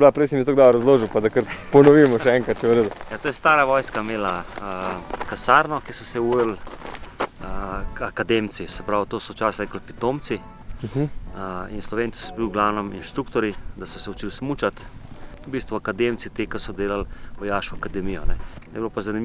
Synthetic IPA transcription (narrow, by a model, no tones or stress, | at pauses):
blapɾɛɪsɛmit̪oɡd̪abɾɐzloːʒiwpad̪akəɾpɔnɔʋimɔʃɛɛŋkɐt̪̚t͡ʃɛɾed̪ujat̪oːjɛst̪aːɾaʋɔjskameːlaəkasaːɾnɔkisɔsɛuɾl | akad̪emt̪sisɛpɾawt̪oːsɔt͡ʃaːsaɛkəlpit̪oːmt̪si | əinslɔʋeːnt͡ssi̥sɔbiwɡlaːwnɛminʃt̪ɾuːkt̪ɔɾid̪asɔsɛut͡ʃilsmut͡ʃat̪bist̪ʋuakad̪emt̪sit̪ekasɔd̪eːlalʋɔjaːʃkɔakad̪ɛmijɔ̰nɛjɛbilopazanimi